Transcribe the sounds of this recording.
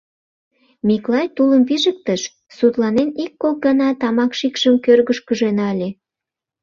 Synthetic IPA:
miklɑjt̪uləmpiʒək̚t̪əʃ | sut̪lɑnenikːok̚ɡɑnɑt̪ɑmɑkʃikʃəmkørɣəʃkəʒenɑlʲe

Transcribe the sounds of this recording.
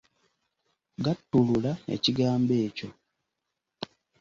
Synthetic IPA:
ɡatːululaḛciɡaːmbe̞ːco̞

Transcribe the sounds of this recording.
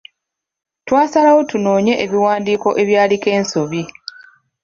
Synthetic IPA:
twaːsalawo̞tuno̞ːɲe̞ʔeβiwaːndiːko̞ʔe̞βjaːlike̞ːnso̞βi

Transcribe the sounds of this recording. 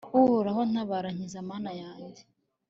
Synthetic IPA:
uhoɾahon̥aβaɾaɲizamaːnajaːɲɟe̥

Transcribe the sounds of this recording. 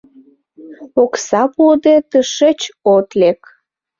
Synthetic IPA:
oksɑpud̪et̪əʃet͡ɕot̪lek

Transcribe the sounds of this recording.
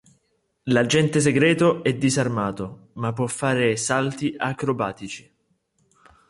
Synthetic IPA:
lad͡ʒɛnt̪es̬eɡɾɛːt̪oɛd̪ːizarmaːt̪o | mapːwɔfːaːɾesalt̪iʔakɾobaːt̪it͡ʃi̥

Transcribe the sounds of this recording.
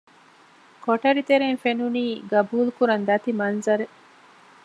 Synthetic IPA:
kʰoʈɐɾit̪eɾeŋfenuniːɡɐbuːlukuɾɐnd̪ɐt̪imɐnzɐɾe

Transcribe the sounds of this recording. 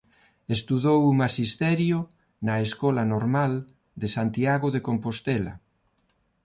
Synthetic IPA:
est̪uðowumaʃist̪ɛɾjo | nɐeskɔlanoɾmal | d̪esant̪iaɣoðekompost̪ɛlɐ̰

